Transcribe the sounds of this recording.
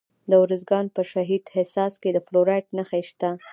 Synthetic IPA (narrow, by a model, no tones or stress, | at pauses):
d̪əwɾəzɡɑnpəʃaɦid̪hɪsɑsked̪əfloɾaʈnaxaʃt̪a